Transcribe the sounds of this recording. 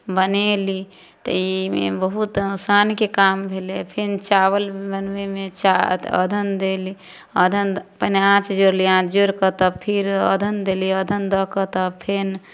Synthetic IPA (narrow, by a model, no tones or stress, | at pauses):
bəneli | t̪ə̰imḛbəɦut̪nosankekambʱelepʰent͡ʃaβəlbənmemet͡ʃaə̰d̪ʱənd̪eli | əd̪ʱənpəneãt͡ʃd͡ʒoɾliãt͡ʃd͡ʒoɾkət̪əpʰiɾə̰d̪ʱənd̪eliəd̪ʱənd̪əkət̪əpʰen